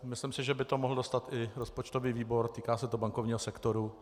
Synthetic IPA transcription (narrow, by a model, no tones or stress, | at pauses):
mɪslɪmsɪʒɛbɪt̪o̞moɦl̩do̞st̪at̪ʔɪɾospot͡ʃt̪o̞viːviːbo̞ɾt̪iːkaːsɛt̪obaŋkovɲiːɦosɛkt̪oɾu